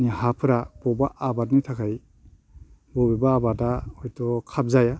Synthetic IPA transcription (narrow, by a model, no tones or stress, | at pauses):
niɦapʰɯɾab̥ɔbaʔabat̬̚nitʰakʰaj | bɔbebaːbataɔjtɔkʰap̚zaja